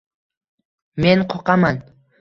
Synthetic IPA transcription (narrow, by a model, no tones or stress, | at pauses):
menqʰoqɑmɑn